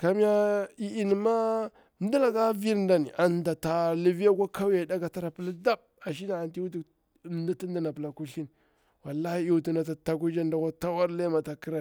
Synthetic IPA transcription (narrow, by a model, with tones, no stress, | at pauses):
ka˨mi˦ja˦i˦i˦n˨ma˦ | n˦du˦la˨ɡa˦vi˦ɾn˦da˨ni˨ʔa˨nda˨ta˨li˨vi˦a˦kʷa˦kʰa˦wja˨da˦ɡa˨ta˦ɾa˨pə˦la˦da˦b̚ | a˨ʃ̬i˦na˨a˨nti˦u˦tu˨ | nda˦ti˦n˦da˦na˨pə˨la˨ku˦ɬi˦n | wa˨lːa˦hi˦i˦u˨˦tu˨na˨ta˨ta˨k̬u˦d͡ʒa˦nda˨kʷa˦ta˦wa˦ɾla˦ma˨ta˨ki˦ɾa˨